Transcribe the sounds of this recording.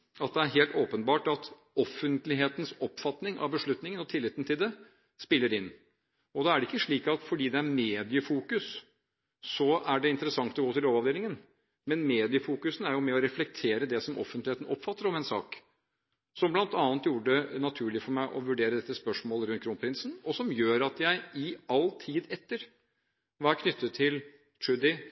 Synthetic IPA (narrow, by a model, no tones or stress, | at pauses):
ɑt̪̚d̪ɛæɾɦeːlt̪oːpənbɑːʈɑt̪ | ɔfənt̪lɪɦeːt̪ənsɔpːfɑt̪nɪŋʔɑ̰ʋbəʂɭʉt̪nɪŋənɔt̪ʰɪlːɪt̪ːən̩t̪ʰɪld̪ɛ | spɪlːəɾɪnː | ɔd̪ɑæɖɛɪkːəʂɭiːkɑt̪fɔɖiːd̪ɛæɾmeːd̪ɪəfuːkʉsː | ɔæɖɛɪnt̪əɾəsɑŋt̪ɔɡoːt̪ɪlɾoːʋɑʋd̪eːlɪŋən | mɛnmeːd̪ɪəfuːkʉsn̩æɾjʊmɛɔɾɛflɛk̚t̪ʰeːɾəd̪ɛsɔmʔɔ̰fːənt̪lɪeːt̪n̩ɔpːfɑt̪ːəɾɔmɛnsɑ̰ːk | sɔmblɑnt̪ɑːnt̪juːɾəɖɛnɑt̪ʰʉːɭɪfɔɾmæɪʔɔ̰ʋʉɖeːɾəd̪ɛt̪ːəspœʂmoːləɾʉnt̪kʰɾuːnpʰɾɪnsn̩ɔsɔmjøːɾɑt̪jæɪɪɑlt̪ʰiːd̪ɛt̪ːəɾ | ʋɑːæɾkʰnʏt̪ʰːət̪ʰːɪl | t̪ʰʉd̪ɪ